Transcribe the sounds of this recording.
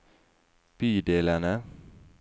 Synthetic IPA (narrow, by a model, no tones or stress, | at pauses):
pidelana